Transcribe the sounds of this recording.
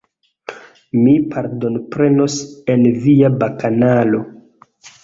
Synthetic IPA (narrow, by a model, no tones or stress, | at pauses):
mipʰaɾdo̞npɾe̞no̞senviabakanalo̞